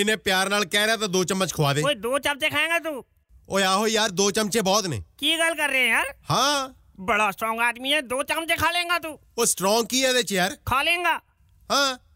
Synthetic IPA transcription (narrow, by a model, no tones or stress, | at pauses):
ɪnẽːpjaːɾnaːlkɛːɾaːt̪ãːd̪oːt͡ʃəmːət͡ʃkʰʋaːd̪eːoid̪oːt͡ʃəmt͡ʃeːkʰaːẽːŋɡaːt̪uː | oːjaːɦoːijaːɾd̪oːt͡ʃəmt͡ʃeːbɔːt̪nḛ̃ːkiːɡəlkəɾːeɛ̃ːjaːɾhãː | bəɽaːsʈɾɔ̃ːŋɡaːd̪miːɦɛ̃ːd̪oːt͡ʃəmt͡ʃeːkʰaːlẽːŋɡaːt̪uː | oːsʈɾɔ̃ːŋɡ̚kiːɛːd̪eːt͡ʃejaːɾkʰaːlẽːŋɡaː | hãː